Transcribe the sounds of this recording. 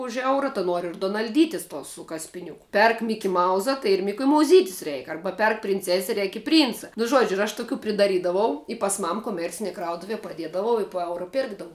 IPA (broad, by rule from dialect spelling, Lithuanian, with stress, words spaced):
ʊʃ ˈɛʊrɐ tɐ ˈnuɔr ɪr dʊnɐlʲˈdʲiːtʲɪs toːs sʊ kɐsʲpʲɪˈnʲʊkʊ ˈpʲɛrk mʲɪkʲɪˈmɐʊzɐ tɐɪ ɪr mʲɪkʲʊmɐʊˈzʲiːtʲɪs ˈrʲɛɪk ˈɐrbɐ ˈpʲɛrk pʲrʲɪnʲˈt͡sʲæːsʲɛ ˈrʲɛɪk ɪ pʲrʲˈiːnt͡sɐ nʊ ˈʒuɔd͡ʒʲʊ ɪr ɐʃ tʊˈkʲuː pʲrʲɪdɐˈrʲiːdɐʋɐʊ ɪ pɐs ˈmɐm koːˈmʲɛrʲt͡sʲɪnʲiɛ ˈkrɐʊtʊʋʲiɛ pɐˈdʲiɛdɐʋɐʊ ɪ poː ˈɛʊrɐ ˈpʲeːrɡdɐʋʊ